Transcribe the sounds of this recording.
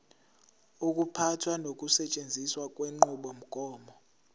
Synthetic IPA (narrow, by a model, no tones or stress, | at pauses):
uk̬ʼupʰatʰwanok̬ʼusɛt͡ʃʼend͡zʱiswak̬ʼweŋ͡ǃuɓɔm̩ɡ̥ʱɔːmɔ